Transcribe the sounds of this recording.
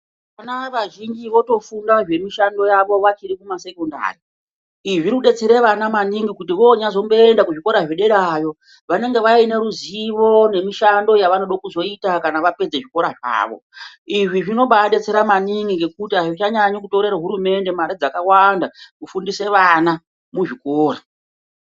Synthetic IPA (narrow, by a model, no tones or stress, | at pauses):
panaʋaʒind͡ʒiʋo̞to̞fundaʐe̞miʃando̞jaʋo̞ʋat͡ʃiɾikumase̞konda̰ːri | iʐiɾkuɗe̞t͡seɾe̞ʋanamaniŋɡikut̬iʋo̞ɲazo̞mbo̞endakuʐiko̞ɾaʐeɗe̞ɗaːjo̞ | ʋane̞ŋɡe̞ʋaine̞ɾuziʋo̞ne̞miʃando̞jaʋano̞ɗakuzo̞itakanaʋape̞d͡zeʐiko̞ɾaʐa̰ːʋo̞̰ | iʐiʐino̞ɓaɗe̞t͡se̞ɾamaniŋɡiŋɡe̞kutiaʐit͡ʃaɲaɲokuto̞ɾe̞ɾaɦuɾume̞nde̞maɾid͡zakawandakufundise̞ʋana | muʐikoːra